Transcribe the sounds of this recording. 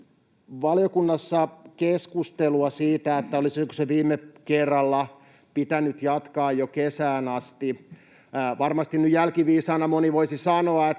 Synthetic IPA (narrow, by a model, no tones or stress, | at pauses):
ʋɑlijokunːɑsːɑkeskust̪eluɑsiːt̪æet̪ːæolisikoseʋiːmːekerːɑlːɑ | pit̪ænyt̪jɑt̪kɑːjjokesæːnɑst̪i | ʋɑrmɑst̪innyjælkiʋiːsɑːnɑmoniʋoisisɑnoɑet̪